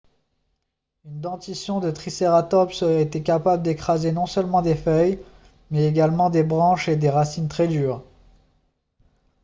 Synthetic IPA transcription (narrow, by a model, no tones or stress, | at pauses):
ynd̪ɑ̃t̪isjɔ̃d̪ət̪χiseʁat̪ɔpsəʁɛet̪ekapabləd̪ekχazenɔ̃sœlmɑ̃d̪efœj | mɛeɡalmɑ̃d̪ebʁɑ̃ʃed̪eʁasint̪χɛd̪yːʁ